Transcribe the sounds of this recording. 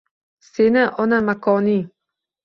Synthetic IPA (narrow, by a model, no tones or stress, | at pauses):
senɪʔɒnamakʰɒni